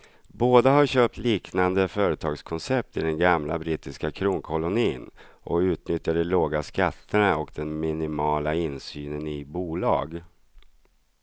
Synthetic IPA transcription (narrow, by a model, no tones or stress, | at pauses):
boːd̪aɦaɾɕøːp̚t̪liːknand̪əfœːɾət̪ʰɑːɡskʰɔnsɛp̚t̪ɪd̪ɛnɡamla̰bɾit̪ɪskakʰɾuːŋkʰɔlʊniːnʔɔ̰kʉ̟ːt̪nʏt̪jaɖɛloːɡaskat̪ʰːəɳaɔkd̪ɛnmɪnɪmɑːlaɪnsyːnənɪbuːlɑ̰ːɡ